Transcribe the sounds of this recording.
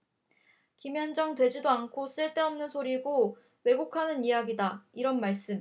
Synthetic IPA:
kimjʌnd͡ʑʌŋtwe̞d͡ʑidoankʰos͈ɯɭt͈e̞ʌmnɯnsʰoɾiɡo | we̞ɡukʰanɯnijaɡidaiɾʌnmaɭs͈ɯm

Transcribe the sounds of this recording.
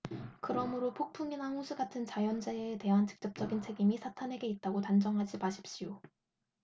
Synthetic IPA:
kɯɾʌmɯɾopʰok̚pʰuŋinahusʰuɡatʰɯnt͡ɕajʌnd͡ʑeete̞ɦant͡ɕɯ̥k̚t͡ɕ͈ʌp̚t͡ɕ͈ʌɡint͡ɕʰe̞ɡimisʰatʰanɦe̞ɡe̞it̚t͈aɡotand͡ʑʌŋɦad͡ʑimaɕʰi̥p̚ɕ͈io

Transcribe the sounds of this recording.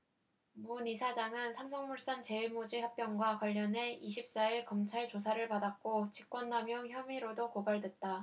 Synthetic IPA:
munisʰad͡ʑaŋɯnsʰamsʰʌŋmuɭs͈ant͡ɕe̞iɭmod͡ʑihap̚p͈jʌŋɡwakwaʎːʌne̞iɕʰip̚s͈aiɭkʌmt͡ɕʰaɭt͡ɕos̬ʰaɾɯɭpadak̚k͈ot͡ɕik͈̚wʌndamjʌŋçjʌmiɾodokobaɭdwe̞t̚t͈a

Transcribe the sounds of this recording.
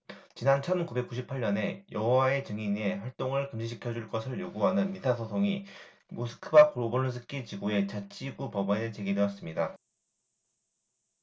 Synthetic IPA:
t͡ɕinant͡ɕʰʌnkube̞k͈uɕʰipʰaɭɲʌne̞jʌɦʌwae̞t͡ɕɯŋine̞ɸwaɭt͈oŋɯɭkɯmd͡ʑiɕ̬ʰikʰjʌd͡ʑuɭk͈ʌsʰɯɭjoɡuɦanɯnmitʰasʰʌsʰoŋi | mosʰɯ̥kʰɯbakʰoɾobonɯɭs̬ʰɯk͈it͡ɕiɡoe̞t͡ɕat͡ɕ͈ʰiɡupʌbanet͡ɕe̞ɡidwejʌs͈ɯmɲida

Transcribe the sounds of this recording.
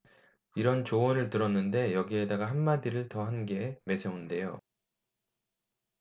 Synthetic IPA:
iɾʌnt͡ɕoonɯɭtɯɾʌnːɯnde̞jʌɡie̞daɡaɦanmadiɾɯɭtʌɦanɡe̞me̞d͡ʑʰʌunde̞jo

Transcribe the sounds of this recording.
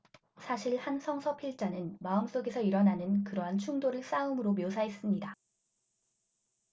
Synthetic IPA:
sʰaɕʰiɭhansʰʌŋsʰʌpʰiɭt͡ɕ͈anɯnmaɯms͈oɡe̞sʰʌiɾʌnanɯnkɯɾʌɦant͡ɕʰuŋdoɾɯɭs͈aɯmɯɾomjosʰaɦes͈ɯmɲida

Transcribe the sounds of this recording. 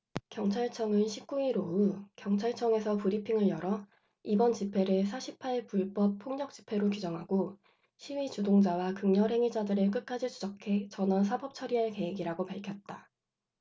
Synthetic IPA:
kjʌŋt͡ɕʰaɭt͡ɕʰʌŋɯnɕʰip̚k͈uiɾoukjʌŋt͡ɕʰaɭt͡ɕʰʌŋe̞sʰʌpuɾipʰiŋɯɭjʌɾʌ | ibʌnt͡ɕipʰe̞ɾesʰaɕʰipʰaiɭpuɭp͈ʌp̚pʰoŋɲʌk̚t͡ɕ͈i̥pʰe̞ɾokud͡ʑʌŋɦaɡo | ɕʰiɥit͡ɕudoŋd͡ʑawakɯŋɲʌɾɦe̞ŋid͡ʑadɯɾɯɭk̬͈ɯt̚k͈ad͡ʑid͡ʑud͡ʑʌkʰe̞t͡ɕʌnʌnsʰabʌp̚t͡ɕʰʌɾiɦaɭke̞ɦeɡiɾaɡopaɭkʰjʌt̚t͈a

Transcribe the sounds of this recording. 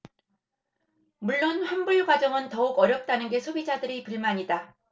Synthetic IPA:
muɭːonɸanbuɭɡwad͡ʑʌŋɯntʌuɡʌɾjʌp̚t͈anɯnɡe̞sʰobid͡ʑadɯɾipɯɭmaɲida

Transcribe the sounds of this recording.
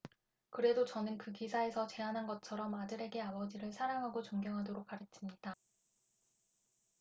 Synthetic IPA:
kɯɾe̞dot͡ɕʌnɯnkɯkisʰae̞sʰʌt͡ɕe̞anɦanɡʌt͡ɕʰʌɾʌmadɯɾe̞ɡe̞abʌd͡ʑiɾɯɭsʰaɾaŋɦaɡot͡ɕoŋɡjʌŋɦadoɾok͈̚ːaɾet̚s͈imɲida

